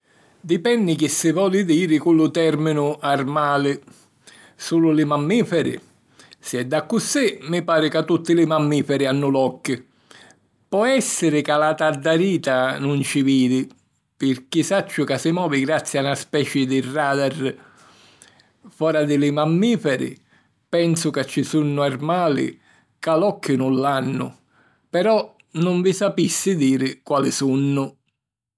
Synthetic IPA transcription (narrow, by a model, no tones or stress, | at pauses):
d̪ipɛnːɪk̟ɪsːɪvɔːlɪd̪iːɾɪkulːʊt̪ɛɾminʊarmaːlɪ | suːlʊlɪmamːiːfɛɾɪ̰ | sɪɛd̪ːakːʊsɪmɪpaːɾɪkat̪ːut̪ːɪlɪmamːiːfɛɾɪanːʊlɔkːɪ | pɔɛsːɪɾɪkalat̪ad̪ːaɾiːt̪anʊnt͡ʃɪviːðɪ | pɪɾkisat͡ʃːʊkasɪmɔːviɡɾat̪sːjanaspɛt͡ʃɪd̪ɪrːaːd̪ar | fɔːɾad̪ɪlɪmamːiːfɛɾɪ̰ | pɛnsʊkat͡ʃːisunːʊarmaːlɪ̰ | kalɔkːʊnʊlːanːʊ̰ | pɛɾɔ | nʊɱvisapisːɪd̪iːɾɪkwaːlɪsunːʊ